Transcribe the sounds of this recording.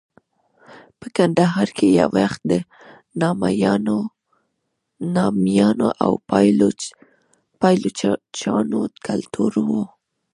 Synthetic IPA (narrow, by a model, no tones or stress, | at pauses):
pəkand̪aɦɑɾkʰeja̰waxt̪̚d̪ə | nɑmajɑno | nɑmjɑnoʔawplo | pɑjlot͡ʃɑnokʰalt̪ʰuɾwo